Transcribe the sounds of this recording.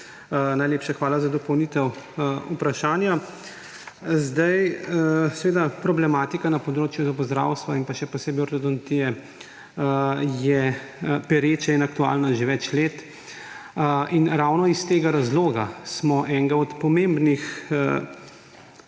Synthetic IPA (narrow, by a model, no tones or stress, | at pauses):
najleːpʃaxʋaːlazad̪ɔpɔwnit̪ɛwupɾaʃaːnja | zd̪ajsɛʋeːd̪apɾɔblɛmaːt̪ikanapɔd̪ɾoːt͡ʃjuzapɔzd̪ɾa̰ːwst̪ʋainpaʃɛpɔseboɾd̪ɔd̪ɔnt̪ijɛ | jɛpɛɾeːt͡ʃainakt̪ua̰ːlnaʒeʋɛt͡ʃleːt̪ | ʔinɾawnɔist̪eːɡaɾazloːɡasmɔʔɛŋɡaɔt̪pɔmembnix